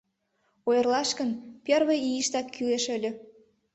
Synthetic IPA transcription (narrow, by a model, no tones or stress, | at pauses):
ojərlɑʃkə̆npʲerβĕiiʃt̪ɑkʰːyleʃølʲø̆